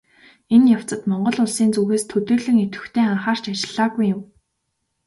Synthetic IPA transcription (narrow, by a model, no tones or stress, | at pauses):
enjaw̥t͡sə̆t̪mɔɴɢɞ̆ɮʊɮsiːnt͡suɣeːst̪ʰɵt̪ɵːɮɘ̆ŋet̪ɘ̥̆xt̪ʰeːaɴχaːr̥t͡ɕat͡ɕɪ̆ɮaːɣujːʊm